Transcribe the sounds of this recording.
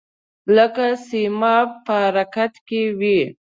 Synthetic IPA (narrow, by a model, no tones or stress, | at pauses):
ləkasimɑpəaɾakat̪kewi